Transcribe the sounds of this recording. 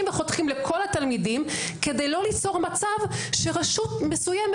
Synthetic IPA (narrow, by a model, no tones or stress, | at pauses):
mveχo̞t̪χimlekʰo̞lat̪almidimke̞d̪ejlo̞lit͡so̞ʁmat͡savʃeʁaʃutme̞sujem